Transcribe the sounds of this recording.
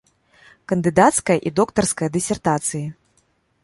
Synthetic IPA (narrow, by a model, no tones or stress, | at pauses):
kɐnd̪ɨd̪at̪skɐjɐʔid̪ɔkt̪ɐrskɐjɐd̪ɨsʲɛrt̪at̪sɨji